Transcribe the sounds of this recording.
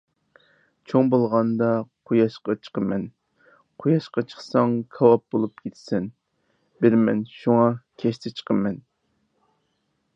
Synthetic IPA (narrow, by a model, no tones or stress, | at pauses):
t͡ʃʰoŋbolˠʁɑnd̪ɑqʰojɑʃqɑt͡ʃʰə̥qəmɛn | qʰojɑʃqɑt͡ʃʰə̥χsɑŋkʰɑwɑp̚bolˠup̚kʲʰet̪ʰɪ̥sɪn | bɪɾmɛnʃuŋɑkʲʰɛʃt̪ʰɪt͡ʃʰə̥qʰəmɛn